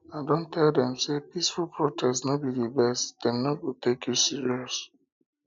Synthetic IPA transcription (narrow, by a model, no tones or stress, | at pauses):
adõntʰɛldɛ̃msepisfulpɹɔtʰɛsnɔbidibɛsd̥ɛ̃mnɔɡotʰekjusiɹiɔs